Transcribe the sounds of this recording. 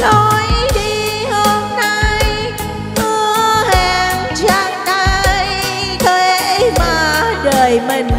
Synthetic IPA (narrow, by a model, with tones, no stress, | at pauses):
lɔ˧jɗi˧˩ | ho˧mna˧j | mɨ˧əəhɛ˧˩mt͡ɕaː˧ŋt̪a˧j | t̪ʰəː˧˩maː˨˩ɗəː˨˩jmi˨˩ŋ̟